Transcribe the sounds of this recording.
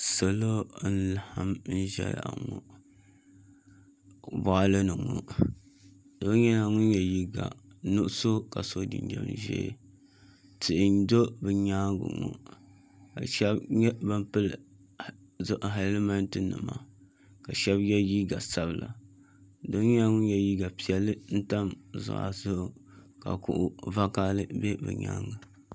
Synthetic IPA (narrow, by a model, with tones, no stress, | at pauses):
so˨lo˦n̩˦la˨ha˦mn̩˦ʒɛ̰˦l̰a̰˨ŋṵ˦ | ba˦ʔlɨ˦nɨ˨ŋṵ˨ | do˦ɲɛ˦na˨ŋʊ˦jɛ˨ji˦ɡa̰˨nʊ˦ʔso˦ka˨so˦dḭ˨nd͡ʒɛ̰˨m˦˨ʒḛ˦ | tʰɨ˨ʔɪ˨ndo˦bɨ˨ɲaː˦ɡʊ̰˨ŋṵ˦˨ | ka˨ʃɛ˦bɲɛ˦bɨ˦m˦pɨ˦lɨ˨ | zʊ˦ʔɦa˨˦lɨ˦ma˦n˦tɨ˦nɨ˨maː˨ | ka˨ʃɛ˦bjɛ˦ji˦ɡa˨sa˦bɨ˨la˨ | do˦ɲɛ˦na˦ŋʊ˦njɛ˨ji˦ɡa˨pi˨ɛ˨lɨ˦n̩˦ta˦mzʊ̰˨ʔa̰˨zʊ˦ʔ | ka̰˨kʊ̰˨ʔʊ˨va˦kaː˦lɨ˦bɛ˦bɨ̰˨ɲa̰ː˦ŋɡɨ˨